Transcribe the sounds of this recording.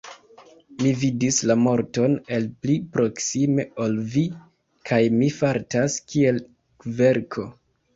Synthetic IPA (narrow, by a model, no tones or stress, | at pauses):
mividislamo̞ɾto̞ne̞lplipɾo̞ksime̞olvi | kʰajmifaɾtaskie̞l | ve̞ɾkʰo̞